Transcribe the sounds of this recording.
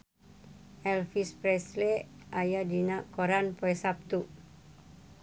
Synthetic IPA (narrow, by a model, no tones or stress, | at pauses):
ʔɛlfispɾɛslɛajadinaʔkoɾanpoɛsap̚t̪uʔ